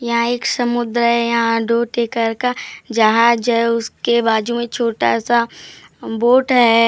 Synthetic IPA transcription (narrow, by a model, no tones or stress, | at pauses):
jɐɦãeːksɐmʊd̪ɾɦɛjɐɦãɖoːʈeːkəɾkad͡ʒɐɦãd͡ʒɐɦʊskebaːd͡ʒumẽt͡ʃʰoːʈa̰sa | boːʈɦɛ